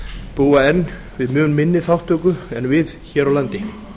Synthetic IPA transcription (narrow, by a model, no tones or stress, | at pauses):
puːaɛnː | vɪðmjʏːnmɪnːɪθawht̪œkʏɛnvɪðçɛːɾawlant̪ɪ